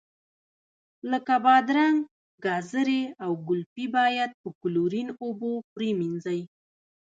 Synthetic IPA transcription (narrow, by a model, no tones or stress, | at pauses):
ləkabɑd̪ɾaŋ | ɡɑzəɾeawɡʊlpibɑjad̪̚pəkʊluɾinobopɾeminzaj